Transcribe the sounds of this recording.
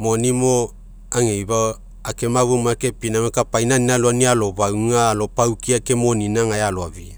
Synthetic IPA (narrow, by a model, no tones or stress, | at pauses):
mo̞nimo | aŋejba | ake̞maβumoakepinamekapajnanialoanialo̞bawŋalo̞pawkiakemoninaŋajaloaβi